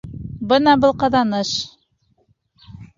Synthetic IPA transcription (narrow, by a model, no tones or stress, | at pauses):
bɤnɑbɤlˠqɑðɑnɤʃ